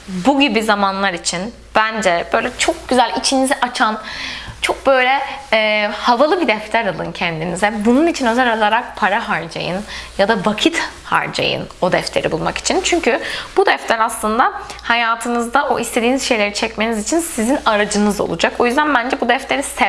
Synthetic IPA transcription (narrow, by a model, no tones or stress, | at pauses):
buɟibizamanlˠaɾit͡ʃʰin | b̥ænd͡ʒɛb̥ø̞jlʲɛt͡ʃʰo̞k̚ɟ̥yzælʲit͡ʃʰinizɛʔat͡ʃʰant͡ʃʰo̞k̚bø̞jlʲɛː | havalˠɯbid̪ɛft̪ʰæɾalˠɯ̰ncʰɛnd̪inizɛbununit͡ʃʰinø̞zælalˠaɾak̚pʰaɾaɦaɾd͡ʒa̰jɯnjad̪avakʰit̪ha̰ɾd͡ʒa̰jɯ̰no̞d̪ɛft̪ʰeɾḭbulˠmaki̥t͡ʃʰint͡ʃʰyɲcyb̥ud̪ɛft̪ʰlæɾaslˠɯnd̪ahajaːt̪ʰɯnɯzd̪aʔo̰ʔist̪ʰed̪iːniz̥ʃe̞jlʲe̞ɾit͡ʃʰɛcme̞nizit͡ʃʰinsizinaɾad͡ʒɯnɯzo̞̰lˠud͡ʒako̞jyzd̪ænbænd͡ʒɛbud̪ɛft̪le̞ɾisɛ